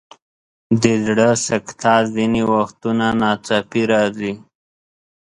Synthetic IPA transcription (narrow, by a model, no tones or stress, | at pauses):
d̪əzɽəsakt̪ʰɑziniwaxt̪unanɑt͡sapiɾɑzi